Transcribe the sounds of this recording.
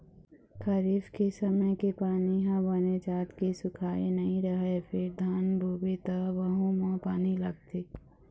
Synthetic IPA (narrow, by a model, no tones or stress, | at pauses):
kʰɐɾiːfkesəməjkepaːniɦãbɐned͡ʒaːt̪kisʊkʰaːenɐɦĩɾɐɦefʰɪɾd̪ʱaːnbʱubet̪aʋɐɦũmãpaːnilɐɡ̚t̪ʰe